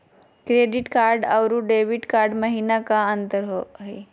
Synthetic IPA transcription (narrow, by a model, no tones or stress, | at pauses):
kɾeɖiʈkaɾɖawɾuːɖeʋiʈkaɾɖməɦinakaənt̪əɾɦoɦe